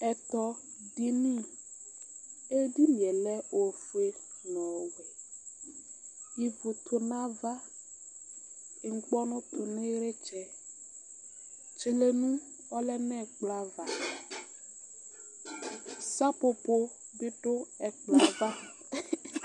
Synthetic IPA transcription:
ɛ˨t̪ɔ˨ | di˦nĩ˦˨ | e˦di˦mĩ˨ɛ˨lɛ˦o˨fu˨e˦ | nɔ̃˨wɛ˨ | ji˨vʊ˨t̪ʰʊ˨nã˦va˦˨ | ŋ̩˨k͡pɔ˦nʊ̃˦t̪ʊ˨nɪ˦ɾe˦t͡ʃɛ˦ | t͡ʃi˨le˨nũ˦ | ɔ˦lɛ˦nɛ˦˨k͡pla˦va˨ | sa˦pʊ˨pʊ˦ | bɪ˦ɖʊ˦ɛ˨k͡pla˨va˦

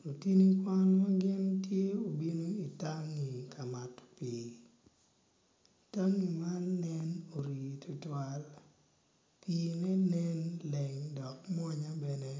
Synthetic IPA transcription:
lo˨ti˦ni˦kwa˦lma˦ɡɪ˦ntje˦o˨bi˦no˦i˨ta˦ŋi˨kʰa˨ma˨tpiː˨ | ta˦ŋi˨ma˦lnɛ˦no˨ɾi˨tʰʊ˨twa˦l | piː˦nɛ˦nɛ˦nlɛ˨ŋdɔ˨km˦ɔ˦ɲa˦bɛ˨ne˦

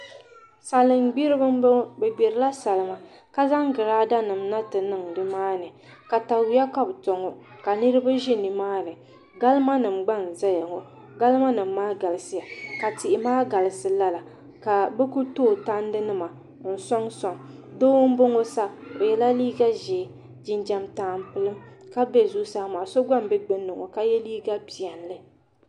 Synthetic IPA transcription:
sa˨lɨ˨mɡ͡bi˦ɾɨ˦bɨ˦m˦bɛ˨ɡ͡bɛ˨ɾɨ˨˦la˦sa˨lɨ˨ma˨ | ka˦za˦ŋɡɨ˨ɾaː˦da˦nɨ˨mna˦tɨ˨nɨ˦˨ŋdɨ˦maː˦nɨ˨ | ka˨ta˨wi˦ja˦ka˦bto˨ŋo˨ | ka˨nɨ˦ɾɨ˦ba˦ʒi˦ni˨maː˦nɨ˨ | ɡa˦lɨ˦ma˦nɨ˨mɡ͡ba˦n˨za˦ja˨ŋɔ˦ | ɡa˦lɨ˦ma˦nɨ˨mː˦aː˦ɡa˨lɨ˨sɨ˦ja˨ka˨tɪ˨ʔɪ˨maː˦ɡa˨lɨ˨sɨ˨la˦la˨ | ka˨bɛ˦ku˦toː˦˨ta˦n˦dɨ˦nɨ˦ma˨ | n̩˨sɔ˦ŋsɔ˨ŋ | do˦wʊ˦m̩˦bo˦ŋo˦sa˦o˨jɛ˦la˦liː˦ɡa˦ʒɛ˨ | d͡ʒɪ˦nd͡ʒa˨mtaː˨˦m˨pɨ˨lɨ˦m | ka˦bɛ˦zu˦saː˦maː˨so˦ɡ͡ba˦mbɛ˦ɡ͡bɨ˦nːɨ˨ŋo˨ka˦jɛ˦liː˦ɡa˦bi˨ɛ˨nlɨ˦

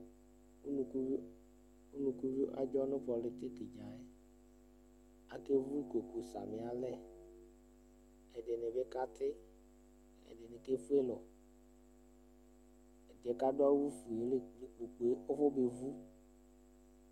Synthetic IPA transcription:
u˦nũ˨ku˦vi˦ | u˦nũ˨ku˦vi˦ʔa˦d͡ʒɔ˦nʊ̃˦pɔ˨lɪ˨t̪e˦kɪ˨d͡ʒa˨ɛ˦ | a˨ke˦vu˦kʷe˨ku˨sa̰˨mɪ˨a˨lɛ˦ | ɛ˨dɪ˨nɪ̃˨be˦ka˦t̪ʰɪ˦ | ɛ̰˨dɪ˨nɪ̃˨ke˦fu˦e˦lɔ˨ | ɛ˨dɪ˨ɛ˨ka˦dʊ˦a˦wu˦fu˨e˨le˦le˦˨k͡po˨k͡pu˨e˦ʊ˦fʊ˦be˨vu˦

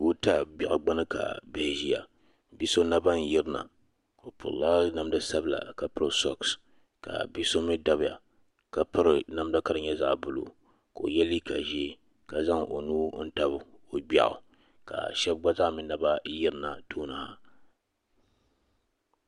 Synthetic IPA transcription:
u˦ta˦bɛ˨ʔa˨ɡ͡ba˦nɨ˦ka̰˨bɛ˨hʒi˦ja̰˨ | bi˦so˦na˦ba˦n̩˨ji˦ɾɨ˦na̰˨ | o˨pʊ̰˨ɾla˦na˦mda˦sa˦bla̰˨ka˨pɨ˦ɾɨ˨sɔ̰˦ks | ka̰˨bi˦so˦mi˦da˦bja̰˨ | ka˨pɨ˦ɾɨ˨na˨mda˦ka˦ɾɨ˨ɲɛ˦za̰˨ʔbʊ˦lo̰˨ | ko˨jɛ˦li˦ka̰˨ʒi˦ | ka˨za˦ŋʔo˨nuː˦n̩˦ta˦bɨ˨o˨ɡ͡ba̰˨ʔʊ̰˨ | ka̰˨ʃɛ˦b̚ɡ͡ba˦za˦ʔmi˨na˨ba˦ji˦ɾɨ˨˦na˨toː˦na˨ha˦

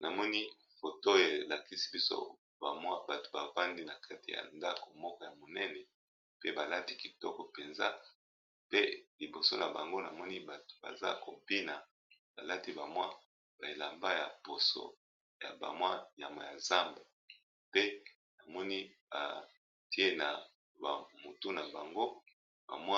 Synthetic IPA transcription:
na˨mɔ˦ni˦ | fo˨to˦e˨la˨ki˦si˦bi˦so̰˦ | ba˨mwa˦ba˨to̥˨ba˨va˦ndi˦na˨kʰa˦ti˨ja̰˨nda˦ko˨mɔ˦kɔ˦ja˨mo˨nɛ˦nɛ˨ | pe˦ba˨la˦ti˦ki˨tɔ˦kɔ˨pe˨nza̰˦ | pe˦li˨bo˨so˦na˨ba˨ŋɡo˦na˨mɔ˦ni˦ba˨to̥˨ba̰˨za̰˦ko˨bi˦na˨ | ba˨la˦ti˦ba˨mwa˦ | b̥a˨e˨la˨mba˦ja˨po˨so̰˦˨ | ja̰˨ba̰˨mwa˦ja˨ma̰˨ja˨za˦mbe˨ | pe˦ | na˨mɔ˦ni˦ | a̰˨ | ti˦e˦na˨ | ba̰˨mo˨to˦na˨ba˨ŋɡo˦ | ba̰˨mwa˦

